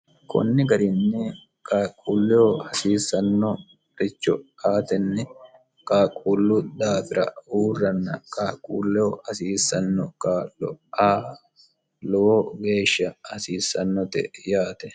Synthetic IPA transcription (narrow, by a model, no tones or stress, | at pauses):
kʰʊ̰nːɪɡɐɾɪnːɛ | kʼaːkʼuːlːɛɔhɐsiːsːɐnːɔ | ɾɪt͡ʃːɔaːt̪ɛnːɛ | kʼaːkʼuːlːʊd̪aːfɪɾɐ̰huːrːɐnːɐkʼaːkʼuːlːɛhɔhɐsiːsɐnːɔkʼaːlɔ̰aː | lɔwoɡe̞ːʃːɐhɐsiːsːɐnːɔt̪ɛ̰jaːt̪ɛ